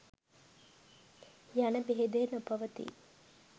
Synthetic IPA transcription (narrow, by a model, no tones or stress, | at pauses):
janəbeɦed̪eːnupɐʋət̪ḭ